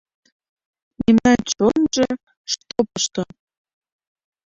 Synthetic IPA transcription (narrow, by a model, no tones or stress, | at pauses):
memnɑnt͡ɕonʒe | ʃt̪opɤʃt̪o